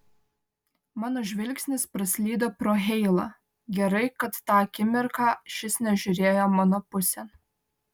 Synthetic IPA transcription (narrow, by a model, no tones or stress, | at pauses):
mɑːnoːʒʲʋʲɪlʲkʲsʲnʲɪspɾɐsʲlʲiːd̪oːpɾoːɦʲɛɪlˠɐ | ɡʲɛɾɐɪkɐt̪ːɑːɐkʲɪmʲɪɾkɑːʃʲɪsnʲɛʒʲʊɾʲeːjoːmɑnoːpʊsʲɛn